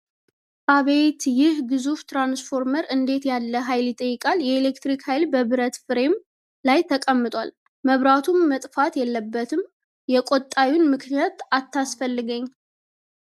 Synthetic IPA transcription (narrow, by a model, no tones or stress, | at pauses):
aβət̪jɪhɡɨzuft̪ɾansfo̞ɾməɾɨnd̪e̞t̪jalːəɦajljɪt̪ʼːəjːɪkʼaljɛelekt̪ɾikhajlbəβɨɾət̪fɨɾe̞m | lajt̪ʰəkʼəmːɨt̪ʼwa̰l | məβɾat̪ʰumːət̪ʼfat̪jɛlːəbːət̪ʰɨm | jɛkʼot̪ʼːawunmɨknijat̪at̪ːasfəlːɨɡəɲː